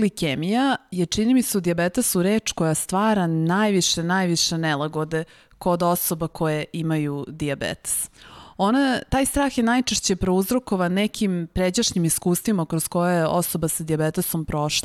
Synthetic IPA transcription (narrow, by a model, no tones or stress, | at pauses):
likemijajet͡ʂinimiseud̪iabet̪esuɾeːt͡ʂkojast̪ʋaːɾanajʋiʃe̞najʋiʃe̞nelaɡod̪e̞ | ko̞d̪o̞so̞bakʰo̞jeimajud̪iabḛt̪e̥so̞nat̪aːjst̪ɾaːxjenajt͡ʂeʃt͡ɕe̞pɾouzɾo̞ko̞ʋanɛkʰimpɾed͡ʑaʃnimiskuːst̪ʋimakɾoz̥ko̞jajeʔo̰so̞basad̪iabet̪eso̞mpɾo̞ʃla